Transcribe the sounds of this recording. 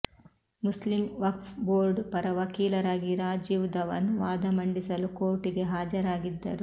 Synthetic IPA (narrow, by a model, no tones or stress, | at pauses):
muslimʋɐkfboːɾɖpɐɾɐʋɐkiːlɐɾaːɡiɾaːd͡ʒiːʋd̪ɐʋɐ̰nuʋaːd̪ɐmɐɳɖisɐlukoːʈiɡe̞ɦaːd͡ʒɐɾaːɡid̪ːɐ̰ɾu